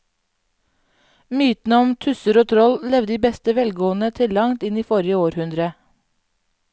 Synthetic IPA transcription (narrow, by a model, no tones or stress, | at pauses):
myːt̪n̩əɔmt̪ʰʉsəɾoːt̪ʰɾɔllɛʋd̪iːbɛst̪əʋɛlɡoːənət̪ʰɪlɑŋt̪ɪniːfɔɾɪəoːɾhʉnd̪ɾə